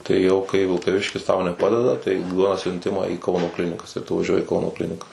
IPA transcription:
tɐɪ jɛʊ kɐɪ ʋʲɪlˠkɐˈʋʲɪʃʲkʲɪs tɐʊ nʲɛˈpɑːdʲɛdɐ tɐɪ ˈduɔdɐ sʲʊnʲˈtʲɪmɑː iː ˈkɐʊnoː ˈklʲɪnʲɪkɐs ɪr tʊ ʋɐˈʒʲuɔjɪ ɪ ˈkɐʊnoː ˈklʲɪnʲɪkɐs

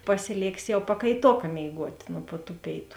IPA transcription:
pɐsʲɪˈlʲeːksʲɪ jɛʊ pɐkɐɪˈtoːkɐ mʲeːɪˈɡuɔtʲ nʊ pʊ tuː ˈpʲeːɪtʊ

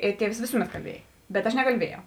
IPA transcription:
ˈɪr ˈtʲiɛws ˈʋʲeːsʊˌmʲɛt kɐlʲˈbʲiɛj bʲɛt ˈɐʃ nʲɛkɐlʲˈbʲiɛjɛʊ

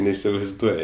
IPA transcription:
nʲɛɪsʲɪʋɐɪzˈduɔjɪ

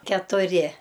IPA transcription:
kʲɛtʊˈrʲɪ

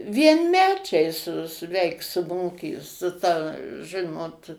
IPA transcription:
ʋʲiɛnʲˈmʲæːt͡ʃʲɛɪ sʊ sʊ ˈʋʲɛɪk sʊ ˈmoːkʲiː sʊ ˈtɐ ˈʒɨnoːt

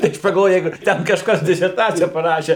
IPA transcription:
tɐɪ ˈɐʃ pɐɡɐlˠˈʋoːjɛʊ ˈjɛɪɡʊ ˈtʲɛn kɐʃˈkɐs dʲɪsʲɛrˈtɑːt͡sʲɪjɛ pɐˈrɑːʃʲeː

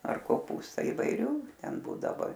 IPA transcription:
ɐr koːˈpuːstɐ ɪʋɐɪˈrʲuː ˈtʲɛn ˈbuːdɐʋoː

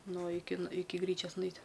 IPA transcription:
ˈnʊ ˈɪkʲɪ ɪˈkʲɪ ˈɡrʲiːt͡ʃʲoːɐs nʊˈɛɪtʲ

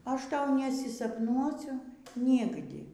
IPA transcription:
ˈɐʃ ˈtɐʊ nʲɛsʲɪsɐpˈnuɔsʲʊ ˈnʲɪɡdʲɪ

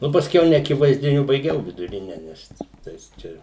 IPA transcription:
ˈnʊ pɐsʲˈkʲɛʊ nʲɛɐkʲɪʋɐɪzʲdʲɪˈnʲʊ bɐɪˈɡʲɛʊ ʋʲɪdʊˈrʲɪnʲɛ ˈnʲɛs ˈtɐɪs ˈt͡ʃʲɛ

